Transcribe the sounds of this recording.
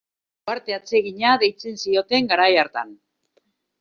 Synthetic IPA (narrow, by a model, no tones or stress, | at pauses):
aɾt̪e̞at͡se̞ɣiɲaðe̞jt͡se̞nsio̞t̪e̞ŋɡaɾajaɾt̪a̰n